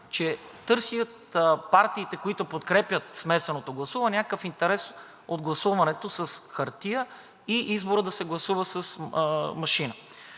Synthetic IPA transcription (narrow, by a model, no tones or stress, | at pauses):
t͡ʃɛt̪ɤɾsijət̪paɾt̪iːt̪ɛkoit̪opot̪kɾɛpʲjət̪̚smɛsɛnot̪oɡlˠɐsuvɐnɛnʲakkəfint̪ɛɾɛs | od̪̚ɡlˠɐsuvɐnɛt̪osəsxɐɾt̪ijə | iʔizboɾəd̪ɐsɛɡlˠɐsuvəsəsmɐʃinə